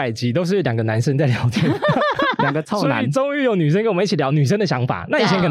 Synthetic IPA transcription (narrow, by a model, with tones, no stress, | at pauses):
a˨˩ɪt͡ɕi˧˥t̪o˥ʊʂ̬ɻ̩˥˩ljɑ˨˩ŋɡə˩˦na˧˦nʂə˥nt͡sa˥˩ɪljɑ˧˥ʊt̪ʰjɛ˥˩nljɑ˨˩ŋɡə˩˧t͡sʰɑ˥sɔ˧aḭ˧˦˨ʈ͡ʂo˥ŋy˥˩jo˧˦ʊny˨˩ʂ̬ə˥nkə˥nwm˧i˥˩t͡ɕʰi˨˩jɑ˦˥ʊny˨˩ʂ̬ə˥nd̪ə˨ɕjɑ˧˦˥ŋfa̰˨˩na˥˩i˨˩t͡ɕʰɛ˧˦nkʰə˨˩